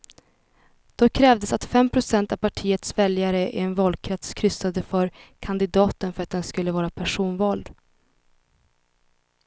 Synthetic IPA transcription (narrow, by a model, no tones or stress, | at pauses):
d̪̥ɔkʰɾɛːvd̪əsat̪fɛmpʰɾʊsɛnt̪avpʰaʈʰiːət̪svɛljaɾəʔɪ̰ɛnvɑld̪̚kʰɾɛt̪skʰɾʏsad̪əfœɾkʰand̪ɪd̪ɑːt̪ənfœɾat̪̚d̪ɛnskɵlːəvɑːɾapʰæʂuːnvɑːld̪